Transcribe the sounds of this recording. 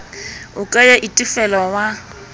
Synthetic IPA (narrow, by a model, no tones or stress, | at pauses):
ʊkʼajaʔitʼɪfɛlɔwa